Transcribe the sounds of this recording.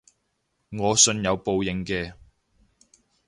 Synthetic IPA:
ŋɔː˨˧sɵ˧njɐ˨˧wpo˨˧wjɪ˨˧ŋkɛː˧

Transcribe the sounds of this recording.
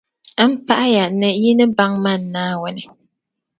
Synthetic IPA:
m̩˦pa˦ʔa˦ja˨nɨ˨ji˦nɨ˦ba˦ŋma˦˨nː˨aː˦wʊ˨nɪ˨

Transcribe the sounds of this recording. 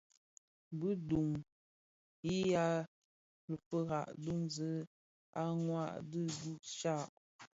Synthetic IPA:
bɨ˦du˨ŋ | i˦ja˦ | lə˨fə˦ɣa˨ʔdu˦˨ŋzə˦ | a˦ŋwa˦˨ʔdɨ˦du˦˨ʔʃa˦˨ʔ

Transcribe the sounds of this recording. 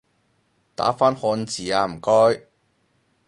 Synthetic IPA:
t̪a̰ː˨˥faː˥nhɔː˧nt͡siː˨aː˧m̩˨˩kɔː˥j

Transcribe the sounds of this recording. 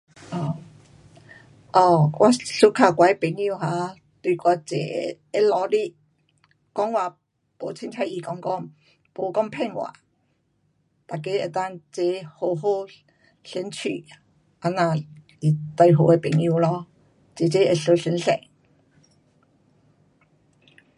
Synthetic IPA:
ʔɔ˧˩ | ʔɔ˧˩wʔa˧ɬu˧kʰa˧˩kwa˧˦e˧˦pe˨˩ŋu˧ɦa˧ | t̪wi˧˩kɔ˧˩t͡sḛ˨˩ | e˧lɔ˧li˧ | kɔ˨˦ŋwa˧˩ | po˨˧˦t͡ɕʰi˧ŋt̪ʰa˧˦i˧˨˩kɔ˨˥ŋkɔ˥˧˨ŋ | po˨˦kɔ˥˧ŋpʰɛ˥˧ŋwa̰˨˩˦ | t̪a˨˩k̬e˧˦e˨t̪a˥˧˨ŋt͡se˧˦ho˧ɦo˥˧ | ɬi˧˦nt͡ɕʰy˨˩ | ʔa˧nã˧˨ | i˨˩t̪a˧jɦo˨˧˩e˦pe˨˩ŋju˧lɔ˧˦ | t͡se˨˩t͡ɕe˧˦e˨˩ɬo˧˩ɬi˨˧˦nɬɛ̰˨˩ŋ

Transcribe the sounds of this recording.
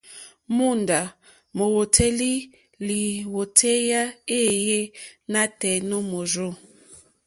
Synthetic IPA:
mu˦˨nda˨ | mo˨wo˨tʰe˦li˦ | li˨wo˨tʰe˦ja˦e˦je˦na˦tɛ˨no˦mo˨zo˦˨

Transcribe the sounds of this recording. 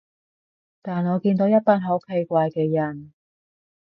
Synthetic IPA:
t̪aː˨nɔː˨˧kiː˧nt̪o˨˥wjɐ˥t̚paː˧nɦo˨˥wkʰe˧jkʷaː˧jkɛː˧jɐ˨˩n

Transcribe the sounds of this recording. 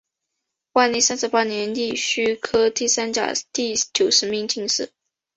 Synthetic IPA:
wa˥˧li˥˩sa˥nʂɻ̩˧˥pa˥njɛ˧˥nt̪i˥˩ɕy˥kʰɤ˥t̪i˥˩sa˥nt͡ɕja̰˨˩t̪i˥˩t͡ɕjo˨˩ʊʂɻ̩˧˥mi˧˥ŋt͡ɕi˥˧ŋʂɻ̩˥˩

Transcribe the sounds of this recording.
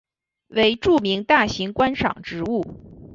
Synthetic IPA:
we˧˥ɪʈ͡ʂu˥˩mi˧˥ŋt̪a˥˩ɕi˧˥ŋkwa˥nʂɑ̰˨˩ŋʈ͡ʂɻ̩˧˥u˥˩

